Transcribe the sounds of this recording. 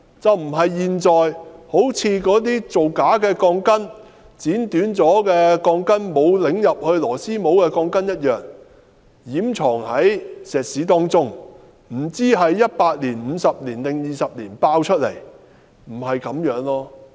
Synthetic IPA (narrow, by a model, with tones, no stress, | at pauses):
t͡sɐ˨wm̩˨˩ɦɐ˨jːiː˨nt͡sɔː˨jho˨˥wt͡sʰiː˧kɔː˨˥t̪̬iː˥t͡so˨wkaː˨˥kɛː˧kɔː˧ŋkɐ˥n | t͡siː˨˥nt̪yː˨˥nt͡sɔː˨˥kɛː˧kɔː˧ŋkɐ˥nmo˨˧wlɪ˨˧ŋjɐ˨p̚hɵ˧ɥlɔː˨˩siː˥mo˨˥wkɛː˧kɔː˧ŋkɐ˥njɐ˥t̚jœː˨˩ŋ | jiː˨˥mt͡sʰɔː˨˩ŋhɐ˨˥jsɛː˨k̚siː˨˥t̪ɔː˥ŋt͡sʊ˥ŋ | m̩˨˩t͡siː˥ɦɐ˨jːɐ˥t̚paː˧t̚liː˨˩nm̩ː˨˧sɐ˨p̚liː˨˩nlɪ˨ŋjiː˨sɐ˨p̚liː˨˩npaː˧wt͡ʃʰɵ˥t̚lḛ˨˩j | m̩˨˩hɐ˨jkɐ˨˥mjœː˨˥ŋlɔː˥